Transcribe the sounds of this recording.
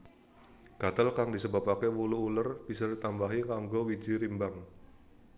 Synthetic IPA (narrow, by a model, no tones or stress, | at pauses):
ɡ̥at̪əlkaŋdisəbapakɛwuluulərb̥isadit̪ambaɦikaŋɡowid͡ʒiɾimbaŋ